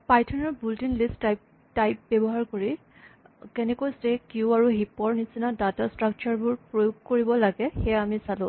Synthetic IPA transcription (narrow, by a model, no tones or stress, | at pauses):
pajtʰanɔɹbultinlist | tajp̚bɛbɔɦaɹkoɹi | kɛnɛkojstekːjuaɹuɦipɔɹnisinadatastɹak̚t͡ʃaɹbʊɹpɹojoɡ̚koɹibɔlaɡɛxɛjamisalʊ̃